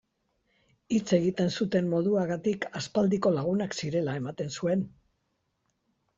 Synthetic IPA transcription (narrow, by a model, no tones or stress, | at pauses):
it͡se̞ɣ̞it̪e̞nsut̪e̞mːo̞ð̞uaɣat̪ikaspald̪iko̞laɣ̞unaksiɾe̞lae̞mat̪e̞nsue̞n